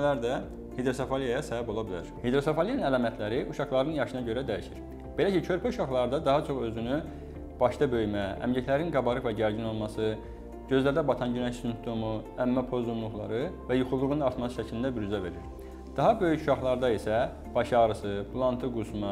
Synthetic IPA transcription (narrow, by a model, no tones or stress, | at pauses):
læɾd̪æ | hed̪ɾo̞sofolijajɑsæbæbo̞lˠɑbilæ̰ɾhed̪ɾo̞sofolijɑnɯnælɑːmæt̪ʰlæɾiʔuʃɑχlˠɑɾɯnjɑʃɯnɑɟø̞ɾæd̪æjiʃiɾ | b̥e̞læcicʰø̞ɾpʰæuʃɑχlˠɑɾɯd̪ɑd̪ɑɦɑt͡ʃʰo̞χø̞zyny | b̥ɑʃd̪ɑbø̞jmææ̰mɟæcʰlæɾinɡɑbɑɾɯvæɟæɾɟino̞lˠmɑsɯ | ɟø̞zlæɾd̪æbɑt̪ʰɑnɟynæçsymp̚t̪ʰo̞muæmːæpʰo̞zlumlˠuχlˠɑ̰ɾɯvæjuxulˠːuɣɯnɯnɑɾt̪mɑsɯ̥ʃæcʰilind̪æbyɾyzæve̞ɾiɾ | d̪̥ɑɦɑbø̞jycuʃɑχlˠɑɾd̪ɑisæ | b̥ɑʃɑɣɾɯsɯpʰulˠɑnt̪ʰɯɡusmɑ